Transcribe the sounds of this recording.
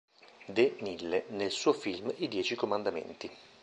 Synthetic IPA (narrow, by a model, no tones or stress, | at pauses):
d̪enilːenelsuːofilmid̪jɛːt͡ʃikomand̪amḛnt̪i